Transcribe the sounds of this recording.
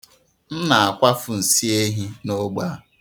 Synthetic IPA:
n̩˦na˨a˨kʷa˦fʊ˨n̩˨si˦e˦ɦi˦no˦ɡ͡ba˦

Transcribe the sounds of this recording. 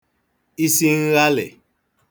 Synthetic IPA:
i˦si˦ŋ̩˦ɣa˦lɛ̰˨

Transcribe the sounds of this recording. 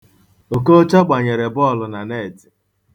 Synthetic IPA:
o˨ko˦t͡ʃa˦ɡ͡ba˨ɲe˨ɾe˨bɔ˦˨lʊ˨na˨ne˦˨ti̥˨

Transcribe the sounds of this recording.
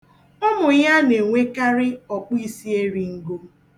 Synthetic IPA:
ɔ˦mʊ˨ja˦ne˨ŋʷe˦ka˦ɾɪ˦ɔ˨k͡pi˦si˦e˦ɾi˨ŋ̩˦ɡo˦

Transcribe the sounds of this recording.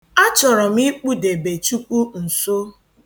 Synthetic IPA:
a˦t͡ʃɔ˨ɾɔ˨mi˦k͡pu˦de˨be˨t͡ʃu˦kʷu˦n̩˨so˦

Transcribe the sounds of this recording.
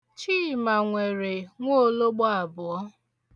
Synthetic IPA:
t͡ʃiː˦ma˨ŋʷe˨ɾe˨ŋʷo˦lo˦ɡ͡bɔ˦a˨bʊ˨ɔ˦

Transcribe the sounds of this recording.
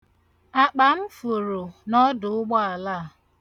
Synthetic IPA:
a˨k͡pa˨m̩˦fʊ˨ɾo˨nɔ˦dʊ˨ʊ˦ɡ͡bɔ˦a˨la˦˨

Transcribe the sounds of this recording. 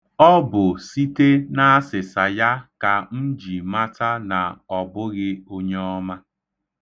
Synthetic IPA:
ɔ˦bʊ˨si˦te˦na˦a˦sɪ˨sa˨ja˦ka˨n̩˦d͡ʒi˨ma˦ta˦na˨ɔ˨bʊ˦ɣɪ˦o˦ɲe˦ɔ˦ma˦

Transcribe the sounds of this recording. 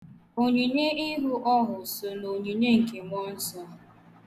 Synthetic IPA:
o˨ɲi˨ɲe˦i˦ɦu˦ʔɔ˦ɦʊ˨sʊ˨no˨ɲi˨ɲe˦ŋ̩˨ke˨ŋʷɔ˦n̩˦sɔ˦

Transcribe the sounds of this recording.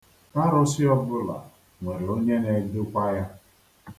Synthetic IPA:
a˦ɾʊ˦si˦ɔ˦bʊ˦la̰˨ | ŋʷe˨ɾɪ˨o˦ɲe˦ne˨dʊ˦kʷa˦ja˦

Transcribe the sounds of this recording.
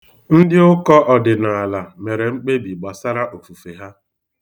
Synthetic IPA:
n̩˦dɪ˦ʊ˦kɔ˦ʔɔ˨dɪ˨na˨a˨la˨me˨ɾe˨ŋ͡m̩˦k͡pe˦bi˨ɡ͡ba˨sa˦ɾa˦ʔo˨fu˨fe˨ɦa˦

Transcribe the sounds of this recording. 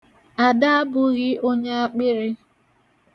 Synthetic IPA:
a˨da˦a˦bʊ˨ɣɪ˦ʔo˦ɲe˦a˦k͡pɪ˦ɾɪ˦

